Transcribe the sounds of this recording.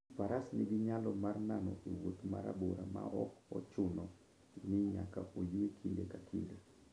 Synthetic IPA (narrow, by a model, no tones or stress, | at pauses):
paɾasnɪɡɪɲalɔmarnanɔ̰ʔiwot̪ma̰ɾa̰boɾama̰ʔɔkɔ̰t͡ʃʊnɔ | nɪɲa̰kaʔojiekʰildekakʰḭle